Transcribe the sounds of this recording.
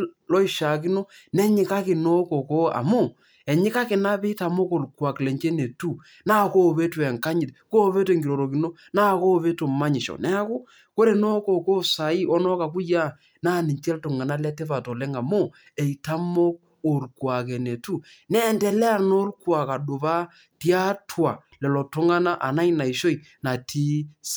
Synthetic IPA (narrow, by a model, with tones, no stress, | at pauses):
lɔ˦i˦ʃa˨k̬i˦no˦ | nɛ˦ɲɪ˨ka˦kɪ˨no˦ko˨ko˦a̰˨mo˦˨ | ɛ˨ɲɪ˦ka˦kɪ˨na˦pɛ˦ta˨mo˦ko˨lkwa˨klɛ˨ɲt͡ʃe˦ne˨tu˦ | na˦ko˦˨βe˦twɛ˨ŋka˦ɲɪ˨tko˦βe˦te˨ŋɡi˨ɾo˨ɾo˨ki˨no˦ | na˦ko˦˨βe˦to˨ma˦ɲɪ˨ʃɔ̰˨nɛ˦a˦ku˦ | ko˦ɾe˨no˦ko˨ko˦sa˨i˦ɔ˦nɔ˦ka˨k̬u˦ja˦ | na˦˨ni˨ɲt͡ʃɛ˦ltʊ˨ŋa˨na˦lɛ˦te˦va˨tɔ˨lɛ˦ŋa˨mo˦ | e˨i˨ta˦mo˦k̚ | o˨lkwa˨kɛ˨ne˨tu˦ | nɛ˦ntɛ˨lɛ˦a˦no˦lkwa˨ka˨ɗʊ˨βa˦ | ti˦a˦tʰwa˨lɛ˨lɔ˨tʊ˦ŋa˦na˦ʔa̰˨na˦ina˨i˨ʃo˦i˨ | na˨tʰi˦s